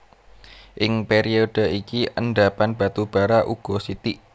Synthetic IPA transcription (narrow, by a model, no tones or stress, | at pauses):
ʔɪŋpeɾiod̥ə̤ikiʔənɖapanb̥a̤t̪ub̥a̤ɾaʔuɡ̥ɔsit̪iʔ